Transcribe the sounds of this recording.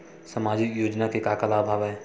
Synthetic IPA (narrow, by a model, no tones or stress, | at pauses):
səmaːd͡ʒɪkjoːd͡ʒnakekaːkəlaːbʱaːʋɦɛː